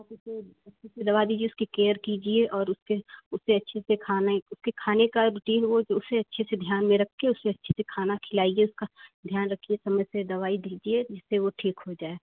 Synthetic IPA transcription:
pʊseɐtːʃʰesed̪ɐʋad̪iːd͡ʒieʊskikeːəɾkiːd͡ʒieʔɔːɾʊskeʊseɐtːʃʰesekʰaːnaʊskekʰaːnekaɾʊʈiːnʋod͡ʒoʊseɐtːʃʰesed̪ʱjaːnmẽɾɐkʰkeʊseɐtːʃʰesekʰaːnakʰɪlaːieʊskad̪ʱjaːnɾɐkʰiesɐməjsed̪ɐʋaːid̪iːd͡ʒied͡ʒɪsːeʋoʈʰiːkɦod͡ʒaːeː

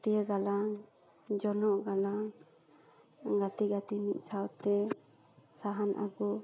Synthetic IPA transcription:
tijəɡalaŋ | d͡ʒɔnɔʔɡalaŋ | ɡat̪iɡat̪imit̪̚ˀsawt̪ɛ | saɦanʔa̰ɡu

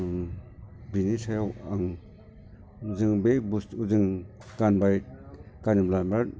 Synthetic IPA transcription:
binisajawaŋ | zɯŋbek̚bustuzɯŋ | ɡ̥anbaj | ɡ̥aniblambaɾ

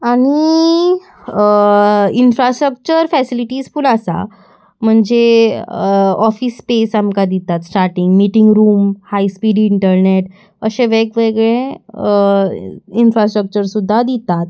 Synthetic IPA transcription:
aɽ̃i | infɾasʈɾək̚t͡ɕəɾfɛsiliʈiːsfulasa̰ | m̤əɳd͡ze | ɔfispesamkad̪it̪at̪sʈaɾʈiŋɡmiʈiŋɡɾuːmhaispiːɖiɳʈəɾneʈ | əɕeʋekʋeɡɭẽ | infɾasʈɾək̚t͡ɕəɾsud̪ʱːad̪it̪at̪̚

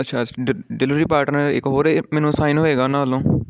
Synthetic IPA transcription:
ətːʃʰaːɖɪlʋɾiːpaːɾʈnəɾɪ̰kɦoːɾemɛːnũːsaːinɦoːeːɡaːnãːəlõː

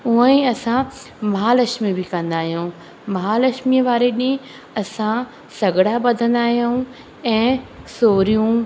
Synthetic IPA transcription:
uə̃ĩɐsã | mɐɦalɐʃmibɪkɐ̃nd̪aːɦijũ | mɐɦalɐʃmiəʋaːɾeɗĩ | ɐsã | sɐɡɽabɐd̪ʱə̃nd̪aːɦijoũ | ɛ̃ːsoːɾijũ

